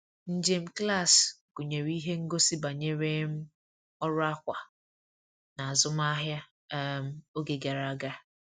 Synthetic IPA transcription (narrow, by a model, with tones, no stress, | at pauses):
n̩˦d͡ʒe˦m̩˦kla˦˨sɡo˨ɲe˨ɾi˦ɦe˦ŋ̩˦ɡo˦si˦ba˨ɲe˦ɾe˦m̩˦ | ɔ˦ɾʊ˦a˦kʷa˨ | na˨a˨zʊ˦m˦a˦ɦja˦ | m̩˦o˦ɡe˨ɡa˨ɾa˨˦ɡa˦